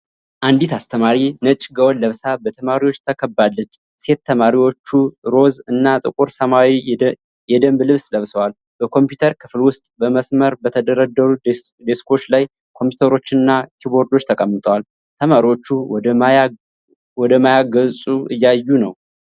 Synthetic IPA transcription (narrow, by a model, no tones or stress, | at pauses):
ʔand̪it̪ʰast̪ʰəmaɾinət͡ʃʼɡəwɔnləβsabət̪ʰəmaɾiwo̞t͡ʃːt̪ʰəkʰəbːalːəd͡ʒ | se̞t̪ʰːəmaɾiwo̞t͡ʃːuɾo̞zɨnːat̪ʼɨkʼuɾsəmawi | jɛd̪əmblɨβsləβsəwal | b̥əkʰo̞mpjut̪ʰəɾkʰɨflwʊst̪ʼbəməsməɾbət̪ʰəd̪əɾəd̪əɾud̪eskʰo̞t͡ʃːlaj | kʰo̞mput̪ʰəɾo̞t͡ʃːɪnɨnːakʰiβo̞ɾd̪o̞t͡ʃːt̪ʰəkʼəmːɨt̪ʼəwal | t̪ʰəmaɾiwo̞t͡ʃːu | wɔd̪əmajaɡəsʼuʔɨ̰jːajːunəw